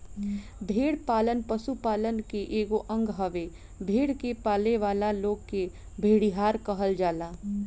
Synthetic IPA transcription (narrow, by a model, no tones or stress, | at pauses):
bʱeːɽpaːlənpəsupaːlənkeʔeːɡoʔə̃ŋɡɦəʋe | bʱeːɽkepaːleʋaːlaloːɡke | bʱeːɽiɦaːɾkəɦəld͡ʒaːlaː